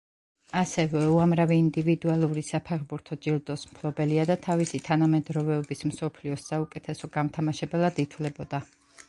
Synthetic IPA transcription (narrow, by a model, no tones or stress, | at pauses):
asɛvɛuamɾaviːnd̪ivid̪ualˠuɾisapʰɛʁbuɾt̪ʰɔd͡ʒild̪ɔsmkʰlˠɔbɛliad̪at̪ʰavisit̪ʰanamɛd̪ɾɔvɛɔbismsɔpʰliɔsːaukʼɛt̪ʰɛsɔɡamt̪ʰamaʃɛbɛlˠad̪it̪ʰlɛbɔd̪a